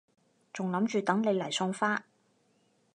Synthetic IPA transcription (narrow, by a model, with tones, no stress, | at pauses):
t͡sʊ˨ŋlɐ˨˥mt͡ʃyː˨t̪ɐ˨˥ŋle˨˧jlɐ˨˩jsɔː˧ŋfaː˥